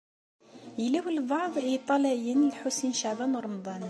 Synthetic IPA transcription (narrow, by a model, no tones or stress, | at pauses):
jəlæwəlbɑʕðˤit̪ˤːɑlæjənəlħusinʃaʕbænɾˤɑmd̪ˤɑn